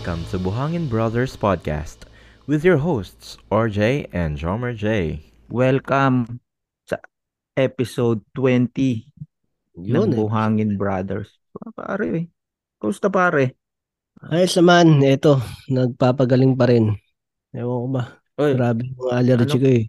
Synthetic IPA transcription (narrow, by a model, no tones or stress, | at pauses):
kɐ̃mt̪ʰubʊɦaŋɪnbɹad̪ɛɹspad̪̚ka̰st̪ | wɪðjɔɹɦost̪sʔɔɹd͡ʒejʔɛ̃ndd͡ʒɔmɛɹd͡ʒej | wɛlkɐm | sɐ̰ | ʔɛpɪsowd̪̚t̪wɛnt̪i | nɐnbʊɦaːŋɪnbɹad̪ɛ̰ɹs | papa̰ːɾɛɛ | kɐʔʊst̪ɐpaːɾɛ | ʔajsɐmanɛt̪o̞nɐɡ̚paːpɐɡɐlɪŋpɐɾɛn | ɐwɐkobɐ | ʔojɡɾaːbɪnmɐŋaʔɐlɐɾd͡ʒɪkoɛ